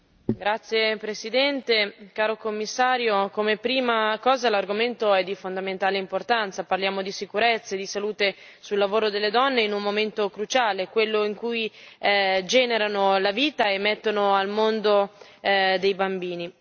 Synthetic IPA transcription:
ɡɾat̪sːjepɾesid̪ɛnt̪ekaːɾokomːisːaːɾjokomepɾiːmakɔːzalarɡoment̪oɛd̪ːifond̪ament̪aːleimport̪ant̪saparljaːmod̪isikuɾet̪sːaed̪isaluːt̪e | sulːavoːɾod̪elːed̪ɔnːeinummoment̪okɾut͡ʃaːlekwelːoiŋkuj | d͡ʒɛːneɾanolaviːt̪aemːet̪ːonoalmond̪o | d̪ejbambiːni

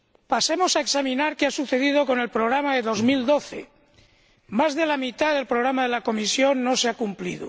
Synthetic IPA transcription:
pase̞mo̞saeksamĩnaɾkeasuθe̞ðið̞oko̞ne̞lpɾoɣ̞ɾamaðe̞ðo̞zmild̪o̞θḛ | mazðe̞lamit̪aðe̞lpɾoɣɾamaðe̞lako̞misjo̞nːo̞seakumplḭðo̰

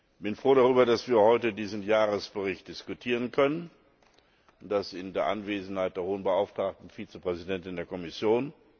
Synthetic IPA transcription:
b̥ɪnfʁ̥oːɾaʁyːbɐdasv̥iːɐhɔʏtədiːzn̩jaːʁəsb̥əʁɪçt̚d̥ɪskutʰiːʁ̞ənkʰœnən | ʊntd̥asɪndeːɐʔanveːzn̩haɪt̚d̥eːɐhoːənbəʔaʊftʁ̥aːk̚tn̩fiːt͡səpʁ̥ɛzidɛntɪndeːɐkɔmɪsjoːn

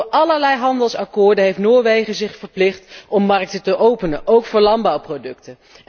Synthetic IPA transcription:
ʔɑləɹlɛjɦɑndəlˠsɑkʊːɹdənɦejftnoːɹʋejχəzɪχfəɹplɪχtɔmːɑrk̚tətəʔowpənəʔowkfʊːɹlɑnbɑwprodɵk̚tə

